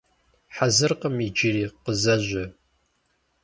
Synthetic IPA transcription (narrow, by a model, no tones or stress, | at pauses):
ħazɨrqəmid͡ʒɪɾiːqəzɐʑʷɐ